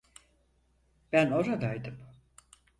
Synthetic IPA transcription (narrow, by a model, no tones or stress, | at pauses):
b̥æno̞ɾad̪ajd̪ɯm